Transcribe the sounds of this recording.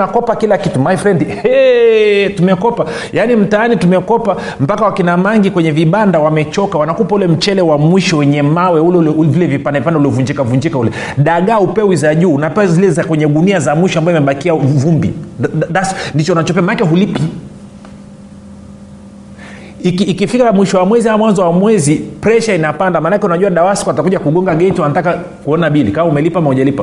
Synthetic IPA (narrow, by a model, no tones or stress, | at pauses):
nakɔpakilakitumajfɾɛndiɛ | tumɛkɔpa | janim̩taanitumɛkɔpa | m̩pakawakinamaŋɡikwɛɲɛviɓandawamɛt͡ʃɔkawanakupaulɛm̩t͡ʃɛlɛwamwiʃɔwɛɲɛmawɛulɛulɛvilɛvipandavipandauliɔvuɲd͡ʒikavuɲd͡ʒikaulɛ | ɗaɠaupɛwizaʄuːnapɛwazilɛzakwɛɲɛɗuniazamwiʃɔambajɔimɛɓakiavumbḭdasndit͡ʃɔunat͡ʃɔpɛamanakɛɦulipi | ikiːkifikamwiʃɔwamwɛzihamwanzɔwamwɛzipɾɛʃainapandamaːnakɛunaʄuwaɗawaskɔatakuʄakuɠɔŋɡaɡɛitiwanataka | kuɔnaɓilikamaumɛlipaamauʄalipa